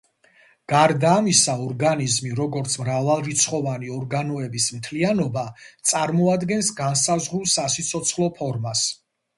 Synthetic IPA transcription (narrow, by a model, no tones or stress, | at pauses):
ɡ̥aɾd̪aːmisaɔɾɡanizmiɾɔɡɔɾt̪sʰmɾavalˠɾit̪sʰχɔvaniɔɾɡanɔɛbismt̪ʰlianɔbat̪sʼaɾmɔad̪ɡɛnsɡansazʁɾulˠsasit̪sʰɔt̪sʰχlˠɔpʰɔɾmas